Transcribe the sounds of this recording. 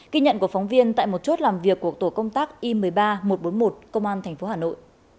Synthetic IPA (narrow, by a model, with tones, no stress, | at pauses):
ɣi˧ɲə̰˧˨nku˧˩fɔ˨˦wŋ͡mvi˧ənt̪a̰ː˧˨jmo˨˩t̚t͡ɕo˦˥t̚laː˨˩mvi˨˩əkːu˨˩ək̚t̪o˧˩kə˧wŋ͡mt̪aː˦˥k̚ʔi˧mɨ˨˩əjɓaː˧mo˨˩t̚ɓo˨˦nmo˨˩t̚kə˧wŋ͡mʔaː˧nt̪ʰɛ˨˩jŋ̟fo˨˦ɦaː˨˩no̰˧˨jʔ